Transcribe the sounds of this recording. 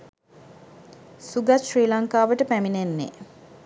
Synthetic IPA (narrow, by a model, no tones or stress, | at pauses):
suɡaʃɾiːlaŋkaːʋəʈəpæminenːḛ